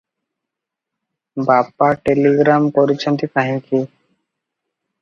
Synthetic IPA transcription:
bapaʈeliɡɾamkɔɾit͡ʃʰənt̪ikʰaɦinki

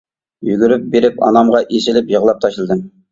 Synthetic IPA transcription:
jyɡʲyɾyp̚beɾɪpɑ̰nɑmʁɑʔesɪlɪpjəʁlˠɑp̚t̪ʰɑʃlˠɨd̪ɨm

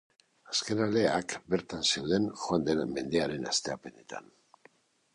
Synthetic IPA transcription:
aske̞nale̞akbe̞ɾt̪anse̞wðe̞nxoand̪ename̞nd̪eaɾe̞na̰st̪e̞ape̞ne̞t̪a̰n

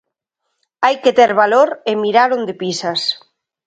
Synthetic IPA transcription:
ajket̪ɛɾβaloɾemiɾaɾond̪episas

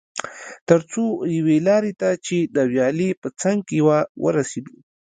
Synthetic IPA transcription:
t̪əɾt͡sojawelɑɾet̪at͡ʃed̪əwjɑlepət͡saŋɡ̚kewawʔə̰ɾased̪u

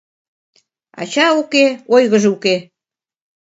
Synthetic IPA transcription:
ɑ̰t͡ɕɑukeojɣəʒeuke

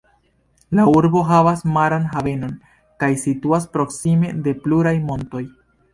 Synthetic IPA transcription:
lauɾbo̞ɦavasmaɾanɦave̞no̞n | kajsituaspɾo̞ksime̞de̞pluɾajmo̞nto̞j

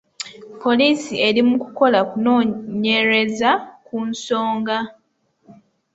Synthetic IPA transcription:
pʰo̞liːsie̞ɾimuku̥ko̞lakunoːɲe̞ɾe̞zakunso̞ːŋɡa

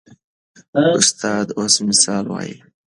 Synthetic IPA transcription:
ʊst̪ʰɑːd̪osmɪsɑːlwɑ̰ːjḭ

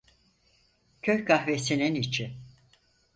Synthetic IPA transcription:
cʰøçɡahvesininit͡ʃʰi

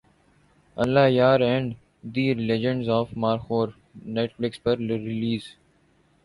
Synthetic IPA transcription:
ɐlːaːjaːɾɛ̃ːɳɖ | d̪ilɛd͡ʒə̃ɳɖzɔːfmaːɾxoːɾ | neːʈflɪkspəɾɾɪliːz

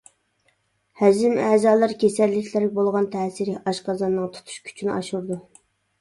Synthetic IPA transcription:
hæd͡ʒɪmɛzɑːlˠɨɾkʲesɛlːɪkʲʰlɪɾʲbolˠʁɑnt̪ʰɛːsiɾɪʔɑʃqɑzɑnːɨŋt̪ʰu̥t̪ʰu̥ʃkʲʰy̥t͡ʃʰynɑ̰ʃuɾd̪u

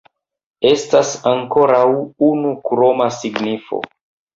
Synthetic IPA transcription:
e̞stasaŋko̞ɾawunukɾo̞masiɡnifo̞̰

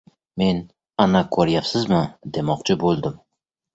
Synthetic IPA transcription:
me̞n | anakʰoɾjapsɪzmɪd̪e̞mɒqt͡ʃʰɪbolˠd̪ɪm

